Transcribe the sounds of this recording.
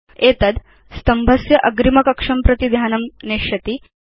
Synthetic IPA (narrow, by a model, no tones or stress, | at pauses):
eːt̪ɐd̪ | st̪ɐmbʱɐsjɐʔɐɡɾimɐkɐkʂɐmpɾɐt̪id̪ʱjaːnɐmneʂɐt̪i